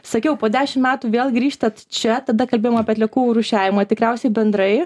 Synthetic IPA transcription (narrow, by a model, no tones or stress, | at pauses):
sɐkʲɛʊpoːd̪ʲæːʃʲɪmmʲæːt̪uːʋʲeːlˠɡɾʲiːʃt̪ɐt̪t͡ʃʲɛt̪ɐd̪ɐkɐlʲbʲeːjomɑpʲiːɐt̪lʲɛkuːɾʊʃʲæːʋʲɪmɐːt̪ʲɪkɾʲɛʊsʲɛɪbʲɛnd̪ɾɐɪ